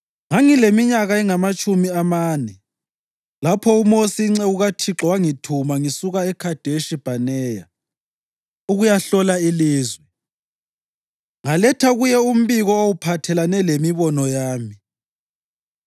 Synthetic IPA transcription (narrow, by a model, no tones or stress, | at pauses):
ŋaŋilemiɲaɣaɛŋamat͡ʃʼumiamaːnɛ | lapʰɔumosiŋ͡ǀɛuɣatʰiǁɔwaŋitʰumaŋisuɣaɛkʰad̥ʱeʃib̥ʱanɛːja | uɣujaɬɔlailiːzwɛ | ŋalɛtʰaɣujɛum̩βiɣɔowupʰatʰɛlanɛlemiβɔnɔjaːmi